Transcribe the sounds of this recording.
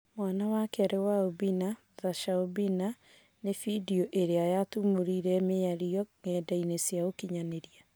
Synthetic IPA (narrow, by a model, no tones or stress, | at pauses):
mwanawakeaɾewaobina | ðaʃaobina | nefidioʔeɾeajatumoɾiɾɛmeaɾiɔŋɛːdainesjaokiɲaneɾia